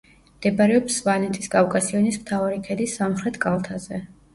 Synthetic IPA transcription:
md̪̥ɛbaɾɛɔpsvanɛt̪ʰʼiskʼafkʼasiɔnismt̪ʰavaɾikʰɛd̪isamχɾɛt̪ʰkʼalˠt̪ʰazɛ

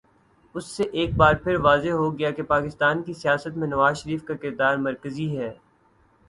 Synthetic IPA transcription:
ʊsːeʔeːk̚baːɾpʰɪɾʋaːzeɦoɡɐjakepaːkɪst̪aːnkisijaːsət̪mẽnɐʋaːzʃəɾiːfkakɪɾd̪aːɾmɐɾkəziɦɛː

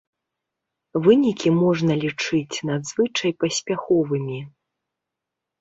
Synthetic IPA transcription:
vɨnʲikʲimɔʐnɐlʲit͡ʂɨt͡sʲnad̪zvɨt͡ʂɐjpɐsʲpʲaxɔvɨmʲi

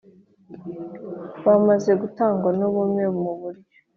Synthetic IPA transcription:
βamaze̞ɡutaːŋɡwanuβumŋeβmuβuɾɟo̥

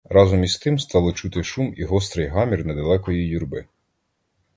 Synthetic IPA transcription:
ɾɑzɔmʲist̪ɪmst̪ɑlˠɔt͡ʃut̪ɪʃumiɦɔst̪ɾɪjɦɑmʲirnɛd̪ɐlˠɛkɔjijurbɪ

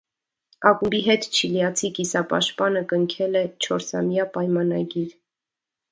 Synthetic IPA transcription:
ɑkumbiɦɛt̪t͡ʃʰiljɑt͡sʰikisɑpɑ̰ʃpɑnəkəŋkʰɛlɛt͡ʃʰɔɾsɑ̰mjɑpɑjmɑnɑ̰ɡiɾ

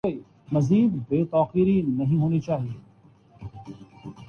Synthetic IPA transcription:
oi | mɐziːd̪beːt̪aːqiːɾinɐɦĩɦoːnit͡ʃaːɦieː

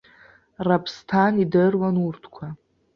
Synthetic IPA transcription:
rapʰstʰanidɨrwanurtʰkʷʰa

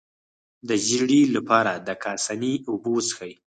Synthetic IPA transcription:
d̪əʒiɽilapɑɾad̪əkʰɑsaniubosəxaji

